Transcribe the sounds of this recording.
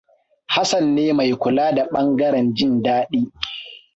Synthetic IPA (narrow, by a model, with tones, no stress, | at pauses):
ha˦sɐ˨nːeː˦ma˨jkʷʊ˨laː˦da˨ɓɐ˦ŋɡɐ˦ɾɛ˨nd͡ʒɪ˦˨ndaː˦ɗiː˦